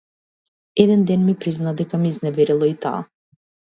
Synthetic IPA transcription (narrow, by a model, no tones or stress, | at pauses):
ɛd̪ɛnd̪ɛnmipɾiznad̪ɛkamiːznɛvɛɾilˠɔit̪a̰ː